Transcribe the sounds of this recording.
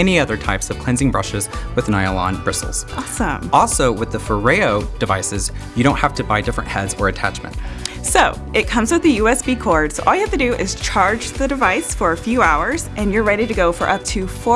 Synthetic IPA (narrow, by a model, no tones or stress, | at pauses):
ɛniʌðə˞tʰaɪpsʌv̥kʰl̥ɛ̃nzɪ̃ŋbɹʌʃɨzwɨðnaɪəlˠɑ̰̃nbɹɪsl̩ˠz̥ʔɑsə̃mɔlˠsoʊwɨðəfə˞eɪoʊd̥ɨvaɪsɨzjɨɾõʊ̃nthæftɨbaɪdɪfɹɨ̃nʔhɛdz̥ə˞ɨtʰæ̰t͡ʃmɨ̰̃ntsoʊ | ɨt̚kʰʌ̃mzwɨðɨjʉɛsb̥ikʰɔɹd̥sʔɔlˠjɨhæftɨdɨʔɪz̥t͡ʃʰɑɹd͡ʒðɨɾɨvaɪsfə˞ɨfjʉaʊə˞zʔɨ̃njə˞ɹɛɾiɾɨɡoʊfə˞ʔʌp̚tʰʉfɔ